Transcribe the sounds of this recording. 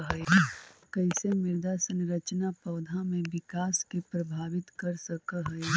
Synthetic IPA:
ɦəekɐɪsemɪɾd̪asənɾɐt͡ʃnapɐːd̪ʱamẽʋɪkaːskepɾɐbʱaːʋɪt̪kɐɾsəkəɦəe

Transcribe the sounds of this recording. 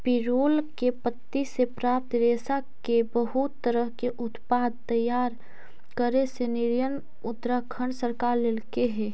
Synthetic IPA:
pɪɾoːlkepət̪ːisepɾaːp̚t̪ɾeːsakebəɦut̪ːəɾəɦkeʔʊt̪paːd̪̚t̪əjaːɾ | kəɾesenɪɾjən | ʊt̪ɾəkʰəɳsəɾkaːɾlelkeɦɛː

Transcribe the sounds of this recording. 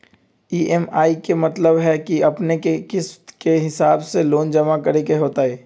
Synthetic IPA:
iːʔɛmaːikemɐt̪ləbɦɛkiɐpnekekɪst̪keɦɪsaːbseloːnd͡ʒɐmakɐɾekeɦoːt̪aeː

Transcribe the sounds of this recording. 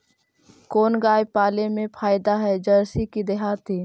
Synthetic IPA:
koːnɡaːjpaːlemẽpʰaːjd̪aɦɛd͡ʒəɾsikid̪ɪɦaːt̪ʰiː

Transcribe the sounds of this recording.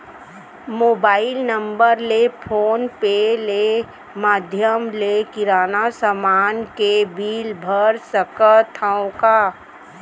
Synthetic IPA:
moːbaːɪlnəmbəɾlepʰoːnpele | maːd̪ʱjəmlekɪɾaːnasəmaːnkebiːlbʱəɾsəkət̪ʰəõka

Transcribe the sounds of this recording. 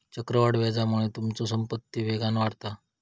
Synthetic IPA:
t͡ɕəkɾəʋaɽʋɛd͡zamuɭ̃et̪umt͡sɔs̬əmpət̪ːiʋeɡanʋaɽt̪a

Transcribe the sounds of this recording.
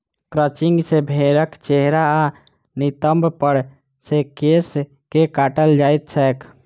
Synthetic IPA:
kɾət͡ʃiŋɡsebʱeɾəkt͡ʃeɦɾaa | nit̪əmbpəɾ | sekes | kekaʈəld͡ʒajt̪̚t͡ʃʰɛːk

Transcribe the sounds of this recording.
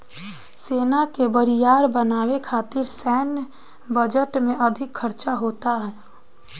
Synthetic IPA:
seːnakebəɾijaːɾbənaːwekʰaːt̪ɪɾsɛːn | bəd͡ʒəʈmẽʔəd̪ʱɪkʰːəɾt͡ʃaɦoːt̪aɦɛː

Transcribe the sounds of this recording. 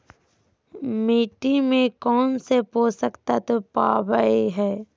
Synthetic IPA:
miːʈimẽkɔːnsepoːsəkt̪at̪opaːbəeɦɛː

